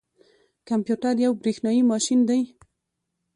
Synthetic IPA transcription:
kampjuʈaɾjawbɾexnɑjimɑʃind̪aj

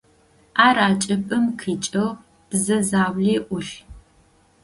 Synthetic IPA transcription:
aːɾaːt͡ʃʼɐpʼɨmkʰiːt͡ʃʼɐw | b̥zɐzaːwɮeːʔʷʊɬ

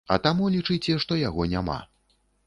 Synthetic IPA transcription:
ɐ̰t̪amulʲit͡ʂɨt͡sʲɛʂt̪ɔjaɣɔnʲama̰

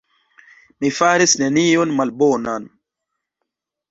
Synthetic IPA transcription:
mifaɾisne̞nionmalbonan

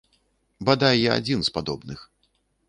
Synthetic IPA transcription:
bad̪ajjaa̰d͡zʲinspad̪ɔbnɨx

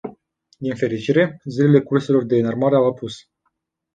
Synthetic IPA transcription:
d̪infe̞ɾit͡ʃiɾe̞zile̞le̞kurse̞lo̞rd̪e̞narmaɾe̞awapus

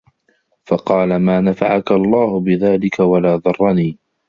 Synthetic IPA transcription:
fɑqɑːlamaːnafaʕakalˤːɑːhʊbɪðaːlɪkawalaːðˤɑrˤːɑniː

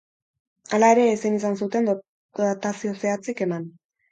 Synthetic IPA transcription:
alae̞ɾe̞ːsenis̬ansut̪e̞n | d̪at̪asio̞se̞at͡sike̞man

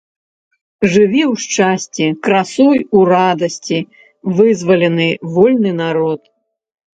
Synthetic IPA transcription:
ʐɨvʲiwʂt͡ʂasʲt͡sʲikɾasɔjuɾad̪ɐsʲt͡sʲi | vɨzvɐlʲɛnɨvɔlʲnɨnaɾɔt̪

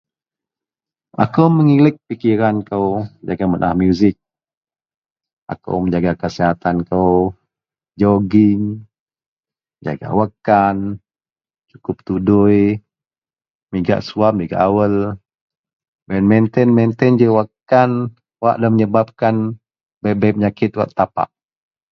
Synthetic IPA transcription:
a̰kəwməŋilɪk̚pikiɾankəwəd͡ʒaɡamənʔa̰hmjuzɪk̚ | ʔa̰kə̰wməɲd͡ʒaɡakəsiɦat̪ankəw | d͡ʒɔɡin | məɲd͡ʒa̰ɡa̰wakan | t͡ʃukʊp̚t̪uduj | miɡa̰ʔsuap̚miɡa̰ʔawəl | bɛnmɛnt̪ɛnmɛnt̪ɛnd͡ʒəwakːan | waʔdaməɲəbap̚kan | bɛbapəɲakɪt̪wa̰ʔt̪apa̰ʔ

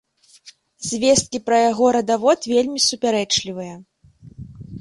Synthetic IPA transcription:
zʲvʲest̪̚kʲipɾɐjaɣɔɾɐd̪avɔt̪vʲelʲmʲisupʲaɾɛt͡ʂlʲivɨjɐ

